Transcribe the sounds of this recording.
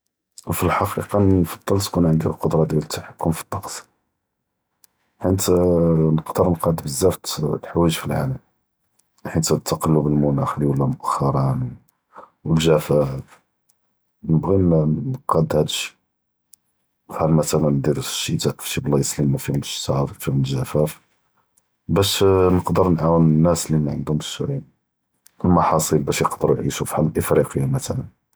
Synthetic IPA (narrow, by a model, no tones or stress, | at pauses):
wfilħɑqiqɑfɑd̪ˤːɑlt̪kunʕənd̪iqod̪ɾˤɑd̪jælət̪ːaħakːʊmfi̥t̪ˤːɑqsˤ | ħit̪nəqd̪əɾˤnqɑd̪bəzːæft̪lħwæʒfilʕa̰ləm | ħit̪æt̪ːɑqɑlːubəlmʊnæxliwəlːæmʊʔæxːɑɾˤɑnw | wəlʒæfæb | nəbɣinnqɑd̪hæd̪əʃ | fħalmæt̪ælənd̪iɾəʃːit̪æʔfʃiblˤːɑjəslimːæfihʊməʃt̪ɑffihʊməlʒæfæf | bæʃnəqd̪əɾnʕawənənːæslimæʕənd̪ʊməʃuʕin | wəlmɑħɑsˤilbæʃjəqd̪əɾujʕḭʃufħalʔəfɾiqəjːamæt̪ælən